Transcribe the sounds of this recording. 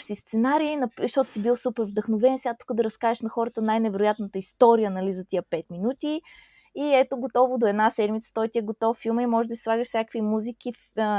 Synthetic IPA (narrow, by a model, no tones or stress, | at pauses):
sist̪sɛnaɾiːnɐʃt̪ɔt̪ʊsibilˠsupɛɾvd̪əxnovɛnsʲɛat̪u̥kəd̪ɐɾɐskaɛʃnɐxɔɾət̪ənajnɛvɛɾojat̪nət̪əist̪ɔɾijənɐlizət̪ijəpɛt̪minut̪i | iɛt̪oɡot̪ɔvod̪oɛd̪nasɛd̪mit̪sə̥t̪ɔjt̪iɛɡot̪ɔffilˠməimɔʒɛd̪əsi̥slˠaɡəʃsʲakəkvimuzik̟if